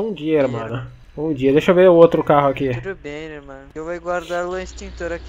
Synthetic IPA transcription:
ũd͡ʒiɐeɾmɐ̃nɐ | ũd͡ʒiɐd̪eʃovẽot̪ɾʊkaɦʊɐkibẽjeɾmɐ̃newvajɡwaɾd̪aɾlɐĩst̪ĩŋk̚t̪oɾɐk

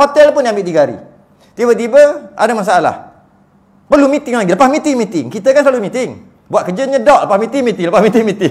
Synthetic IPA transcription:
ɦot̪ɛlpʊndiambɪʔd̪iɡaɾḭ | t̪ibət̪̬ibəa̰damas̬aala̰h | pərlumĩt̪ɪŋlaɡiləpasmĩt̪ɪŋmĩt̪ɪŋkit̪əkansəlalumĩt̪ɪŋ | buat̪̚kəd͡ʒəɲə̃dɔʔ̚ləpasmĩt̪ɪŋmĩt̪ɪŋləpasmĩt̪ɪŋmĩt̪ɪŋ

